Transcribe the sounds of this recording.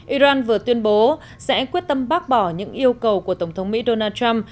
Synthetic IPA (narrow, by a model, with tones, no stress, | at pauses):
ʔi˧zaː˧nvɨ˨˩ət̪wi˧ənɓo˨˦ | sɛ̰˧˥kwi˦˥ət̚t̪ə˧mɓaː˦˥k̚ɓɔ˧˩ɲɨ̰˧˥ŋʔi˧əwkə˨˩wku˧˩ət̪ə˧˩ŋ͡mt̪ʰə˨˦wŋ͡mmḭ˧˥ɗo˧naː˧t͡ɕa˧m